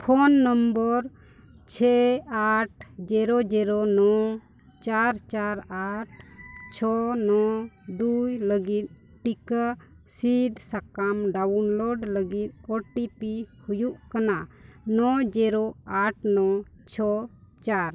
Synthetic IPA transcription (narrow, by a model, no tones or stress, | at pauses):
pʰɔnːəmbəɾ | t͡ʃʰɛaʈ̚ʰd͡ʒɛɾɔd͡ʒɛɾɔnɔ | t͡ʃaɾt͡ʃaɾaʈ̚t͡ʃʰɔnɔd̪ujləɡit̪̚ | ʈika | sid̪ʱsakamɖaunlɔɖləɡit̪̚ɔʈipihujuʔkananɔd͡ʒɛɾɔaʈ̚ʰnɔ | t͡ʃʰɔt͡ʃaɾ